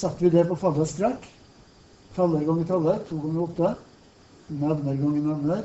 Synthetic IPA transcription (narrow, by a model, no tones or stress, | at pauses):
sɑt̪ːʋɪd̪ɛɾpɔfɑlːəst̪ɾækː | t̪ʰɑlːəɾɡɔŋːət̪ʰɑlːəɾt̪ʰulkɔmɾɑɔt̪ːə | nɑʋnəɾɡɔŋːənɑʋnəɾ